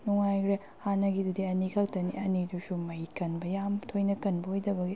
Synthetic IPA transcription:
nuŋajkʰɾe | hanɐɡidudiɐnikʰak̚tɐniʔɐnidusumɐjkɐnbɐjamtʰojnɐkɐnbɐhojdɐbɐɡi

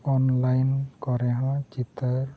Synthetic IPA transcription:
ɔnlajnkɔɾɛɦãd͡ʒit̪əɾ

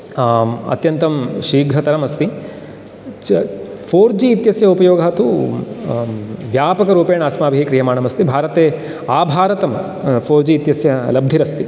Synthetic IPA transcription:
ɐ̰t̪jɐnt̪ɐmʃiːɡɾɐt̪ɐɾɐmɐst̪i | t͡ʃpʰoːɾd͡ʒiːt̪jɐsjɐupɐjoːɡʱɐɦɐt̪u | ʋjaːpɐkɐɾuːpeːɳaːsmaːbʱiɦikɾijɐmaːɳɐmɐst̪ibʱaːɾɐt̪eː | aːbʱaːɾɐt̪ɐm | pʰoːɾd͡ʒiːt̪jɐsjɐlɐb̚d̪ʱiɾɐst̪i

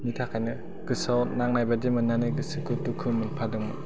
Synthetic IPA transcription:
mitʰakʰajnɯ | ɡ̥ɯsawnaŋnajbadimɯnːanɯɡɯsɯkʰɯtukʰɯmɯnpʰadɯŋmɯ

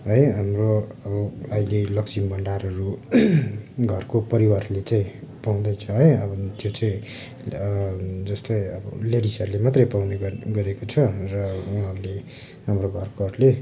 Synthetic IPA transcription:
ɦʌjɦamroʌbʌʌilelʌksimbʱʌɳɖaɾʌɾu | ɡʱʌrkopʌɾiwarlet͡saĩpaw̃d̪ʌjt͡sʰʌɦʌjʌbʌt̪jot͡saĩ | d͡zʌst̪ʌjʌbʌleɽisʌɾulemat̪rʌjpawneɡʌɾekot͡sʰʌrʌuɦʌrle | ɦamroɡʱʌrkʌrle

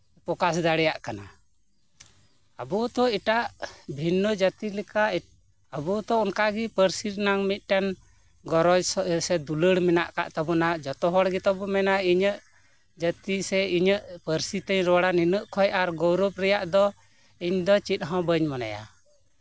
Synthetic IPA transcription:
pɔkasd̪aɽɛjaʔkana | abɔt̪ɔiʈaʔbʱinːɔd͡ʒat̪ilɛka | əbɔt̪ɔɔnkaɡipəɾsiɾnaŋmit̪̚ʈan | ɡɔɾɔd͡ʒsɔsɛd̪uləɽmɛna̰ʔka̰ʔt̪abɔnad͡ʒɔt̪ɔɦɔɽɡit̪ɔbɔmɛnaiɲəʔ | d͡ʒət̪isɛiɲəʔpəɾsit̪əɲɾɔɽaninəʔkʰɔjaɾɡɔwɾɔp̚ɾɛjaʔd̪ɔ | iɲd̪ɔt͡ʃit̪̚ˀɦɔ̃bəɲmana̰ja̰

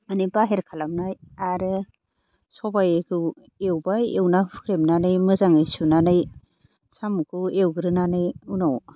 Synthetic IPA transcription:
anibaɦeɾkʰalamnajaɾɯ | sɔbajekʰɯ | ewbajewnapʰɯ̥kʰɾemnanɯjmɯzaŋɯjsunanɯj | samukʰɯewɡɯɾɯnanɯjunaw

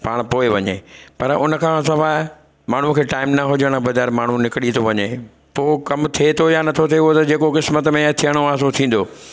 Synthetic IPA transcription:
paːɽ̃poːeʋɐɲḛpɐɾʊnə̆kʰãsɐʋaːɦ | maːɳ̤ũkʰeːʈaːɪmnɐɦʊd͡ʑəɽ̃bɐd̪aːɾmaːɳ̤ũnɪkɽit̪ʰoʋɐɲe | poːkɐmt̪ʰiet̪ʰojanɐt̪ʰot̪ʰeot̪ɐd͡ʑeːkokɪsmət̪mẽt̪ʰiəɽ̃oaːɦsot̪ʰĩːn̆d̪oː

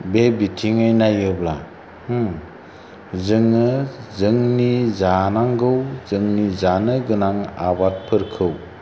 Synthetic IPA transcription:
bebitʰiŋɯjnajɯbla | zɯŋɯzɯŋnizanaŋɡɯwzɯŋnizanɯɡɯnaŋa̰bat̚pʰɯɾkʰɯw

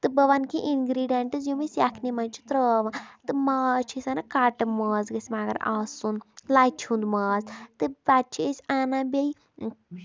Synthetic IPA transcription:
t̪ɨbɐʋankiʔinɡɾiːɖeɳʈɨzjumisjaːkʰnimɐnt͡ʃʰi̥t̪ɾəʋãt̪ɨmaːt͡ʃʰisʲanɐkaːʈɨmaːzɡɐsʲmaːɡɐ̰ɾaːsund̪laːjt͡ʃʰũnd̪maːzt̪ɨbaːt͡ʃʰiesʲaːnãːbʲeji

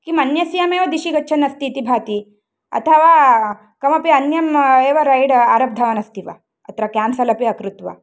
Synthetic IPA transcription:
kimɐnjɐsijameːʋɐd̪iɕiɡɐtːʰɐnɐst̪iːt̪ibʱaːt̪i | ɐ̰t̪ʰɐʋa | kɐmɐpiɐnjɐmeːʋɐɾajɽaːɾɐp̚d̪ʱɐʋɐnɐst̪iʋa̰ | ɐ̰t̪ɾakaːmsɐlɐpiɐkɾut̪ʋa̰

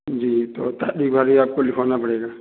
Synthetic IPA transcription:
d͡ʒiːt̪ot̪aɗikbʱaɾiaːp̚kolɪkʰanapəɽeːɡa

